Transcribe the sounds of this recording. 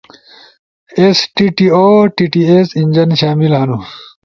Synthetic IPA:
esʈiʈioːʈiːʈiesiɲʲd͡ʑɐnɕaːmilɦɐnu

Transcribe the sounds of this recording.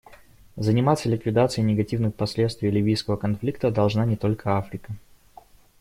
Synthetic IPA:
zənʲɪmat̪sːəlʲɪkvʲɪd̪at̪sɨjnʲɪɡɐtʲivnɨxpɐsʲlʲet̪st̪vʲɪjlʲɪvʲijskəvəkɐnflʲik̚t̪əd̪ɐlˠʐnanʲɪt̪o̞lʲkʰəafɾʲɪkə

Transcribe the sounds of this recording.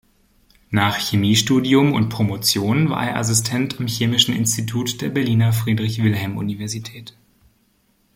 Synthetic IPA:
naːχçemiːʃtuːdiʊmʊ̰ntpʁ̥omot͡sjoːnnva̰ːɐʔḛːɐʔa̰s̬ɪstʰɛntamçeːmɪʃn̩ɪ̰nstitʰuːtd̥eːɐbɛɐliːnɐfʁ̥iːdʁɪçv̥ɪlɦɛlmʔṵnivɛɐzitʰɛːt

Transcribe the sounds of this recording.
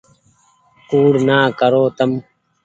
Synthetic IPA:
kuːɽnaːkəɾoːt̪əm

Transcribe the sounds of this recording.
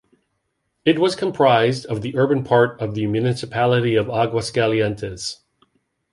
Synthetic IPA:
ɨt̚wʌz̥kʰə̃mpʰɹ̥aɪzdʌvðiʔɜ˞bɨ̃npʰɑɹɾʌvðɨmjʉnɪsɨpʰælˠəɾiʌvɑɡwəskælˠiɛ̃ntʰɨz̥

